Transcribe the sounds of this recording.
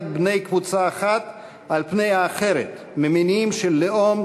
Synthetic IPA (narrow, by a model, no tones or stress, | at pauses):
t̪̚bne̞jkvut͡saːχat̪ | ʔalpne̞jhaːχe̞ɾet̪ | meminimʃelːeom